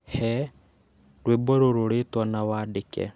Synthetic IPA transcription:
hɛ | ɾwebɔɾoɾoɾetwanawaːdekɛ̰

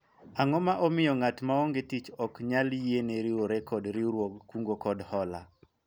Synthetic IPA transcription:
aŋɔmaʔɔmɪjɔŋatmaoŋɡetit͡ʃɔkɲaljeneɾɪoɾɛkɔdɾɪɾwoɡkuŋɡokɔdhɔla̰

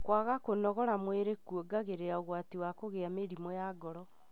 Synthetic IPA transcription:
kwaɣakonɔɣɔɾamweɾekuoɡaɣeɾeɾaoɣwatiwakoɣeameɾimɔjaːɡɔɾɔ

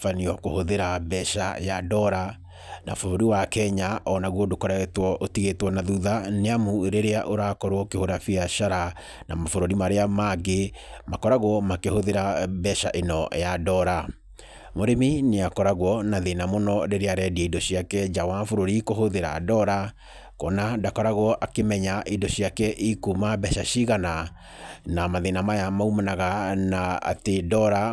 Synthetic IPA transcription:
faniɔko̰hoðeɾabɛʃajadɔɾa | na̰foɾoɾiwakɛɲaʔɔnaɣwɔdokɔɾaɣɛtwɔʔotiɣetwɔnaðuðaneamueɾeɾeaʔoɾakɔɾwɔkehoɾafijaʃaɾa | na̰mafoɾoɾimaɾeamaɡemakɔɾaɣwɔmakehoðeɾabɛʃaʔenɔ̰jadɔɾa | moɾemineakɔɾaɣwɔnaðenamonɔdeɾeaɾɛdiaidɔɕiakɛd͡ʒawafoɾoɾikohoðeɾa̰dɔɾa | kɔnadakɔɾaɣwɔʔakemɛɲaʔidɔɕiakɛʔikumabɛʃaɕiɣana | namaðenamajamaumanaɣanaa̰tedɔɾa

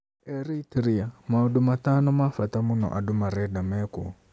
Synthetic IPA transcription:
ɛɾitɾiamauɗumatanɔmafatamunɔ̰ʔadumaɾɛdamɛkɔ̰

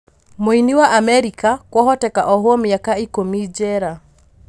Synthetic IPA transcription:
moiniwaʔamɛɾikakwɔɦɔtɛka̰ʔɔɦwɔmiakaikomid͡ʒɛɾa

